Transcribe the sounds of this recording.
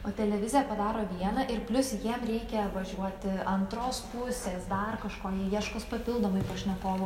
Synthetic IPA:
oːt̪ʲɛlʲɛʋʲɪzʲɪjɛpɐd̪ɑːɾoːʋʲiɛnɐʔɪɾpʲlʲʊsjiɛmɾʲɛɪkʲɛʋɐʒʲuɔt̪ʲɐnt̪ɾoːspʊsʲeːsd̪ɐrkɐʃkoːjijiɛʃkospɐpʲɪlˠd̪oːmɐɪpɐʃʲnʲɛkoːʋoː

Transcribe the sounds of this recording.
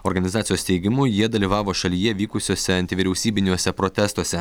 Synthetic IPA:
oːɾɡɐnʲɪzɑːt̪sʲɪjoːst̪ʲɛɪɡʲɪmuːjiɛd̪ɐlʲiːʋɑːʋoːʃɐlʲijɛʋʲiːkʊsʲoːsʲɛɐnʲt̪ʲɪʋʲiɾʲɛʊsʲiːbʲɪnʲuɔsʲɛpɾot̪ʲɛst̪uɔsʲɛ

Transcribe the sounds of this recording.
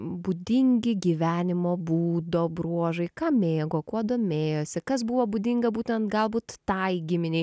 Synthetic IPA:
bud̪ʲɪŋʲɡʲɪɡʲiːʋʲæːnʲɪmoːbuːd̪oːbɾuɔʒɐɪkɑːmʲeːɡoːkuɔd̪oːmʲeːjoːsʲɪkɐs̬buʋoːbud̪ʲɪŋɡɐbuːt̪ʲɛnt̪ɡɐlˠbuːt̪ːɐɪɡʲɪmʲɪnʲɛɪ

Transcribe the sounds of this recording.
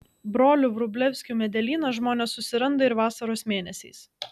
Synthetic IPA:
bɾoːlʲʊʋɾʊbʲlʲɛʋʲsʲkʲuːmʲɛd̪ʲɛlʲiːnɐʒmoːnʲɛsːʊsʲɪɾɐnd̪ɐɪɾʋɑːsɐɾoːsmʲeːnʲɛsʲɛɪs

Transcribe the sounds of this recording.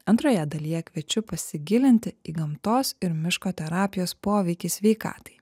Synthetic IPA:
ɐnt̪ɾoːjɛd̪ɐlʲijɛkʋʲɛt͡ʃʲʊpɐsʲɪɡʲɪlʲɪnʲt̪ʲɪiːɡɐmt̪oːsɪɾmʲɪʃkoːt̪ʲɛɾɑːpʲɪjoːspoːʋʲɛɪkʲiːsʲʋʲɛɪkɑ̰ːt̪ɐ̥ɪ

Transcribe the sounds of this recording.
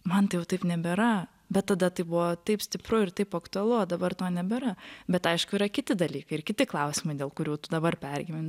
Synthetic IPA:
mɐnt̪ɐɪjɛʊt̪ɐɪpnʲɛbʲeɾɐ | bʲɛt̪ːɐd̪ɐt̪ɐɪbʊʋɔt̪ɐɪpsʲt̪ʲɪpɾʊɪɾt̪ɐɪpɐkt̪ʊɐlˠʊoːd̪ɐbɐrt̪oːnʲɛbʲɛɾɐbʲɛt̪ɐɪʃkʊiɾɐkʲɪt̪ʲɪd̪ɐlʲiːkɐɪɪrkʲɪt̪ʲɪklˠɐʊsʲɪmɐɪdʲeːlˠkʊɾʲuːt̪ʊd̪ɐbɐrpʲɛɾʲɡʲɪmʲɪn

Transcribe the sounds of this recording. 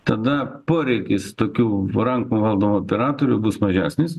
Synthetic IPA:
t̪ɐd̪ɐpoːɾʲɛɪkʲɪst̪oːkʲuːɾɐŋkuːʋɐlˠd̪oːmuoːpʲɛɾɑːt̪oːɾʲuːbʊsmɐʒʲæːsʲnʲɪs

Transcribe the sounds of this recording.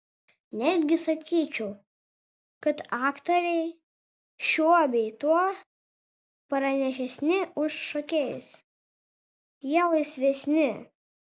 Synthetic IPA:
nʲæd̪ʲɡʲɪsɐkʲiːt͡ʃʲɛʊ | kɐt̪ɑːkt̪oɾʲɛɪ | ʃʲuɔbʲɛɪt̪uɔ | pɐɾɐnʲɛʃ̬ʲɛsʲnʲɪʊʃʃokʲeːjɪ̰sʲ | jiɛlˠɐɪsʲʋʲɛsʲnʲɪ

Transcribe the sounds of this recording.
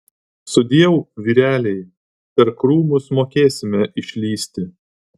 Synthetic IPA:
sʊd̪ʲiɛʋʊʋʲiːɾʲæːlʲɛɪ | pʲɛɾkɾuːmʊsmoːkʲeːsʲɪmʲɛʔɪʃʲlʲiːsʲt̪ʲɪ

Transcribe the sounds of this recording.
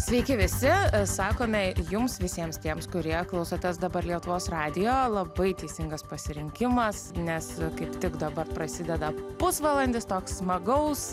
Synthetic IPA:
sʲʋʲɛɪkʲɪʋʲɪsʲɪsɑːkoːmʲɛjʊmsʋʲɪsʲiɛmst̪ʲiɛmskʊɾʲiɛklˠɐʊsoːt̪ʲɛsd̪ɐbɐɾlʲiɛt̪ʊʋoːsrɑːd̪ʲɪjoːlˠɐbɐɪt̪ʲɛɪsʲɪŋɡɐspɐsʲɪɾʲɪŋʲkʲɪmɐsnʲɛskɐɪpt̪ʲɪkd̪ɐbɐrpɾɐsʲɪd̪ʲɛd̪ɐpʊsʋɑlˠɐnʲd̪ʲɪst̪oːkssmɐɡɐʊs

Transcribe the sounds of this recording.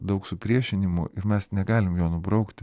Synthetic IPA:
d̪ɐʊksʊpʲɾʲiɛʃʲɪnʲɪmʊ̰ɪɾmʲɛsnʲɛɡɑːlʲɪmjoːnʊbɾɒʊkt̪ʲ

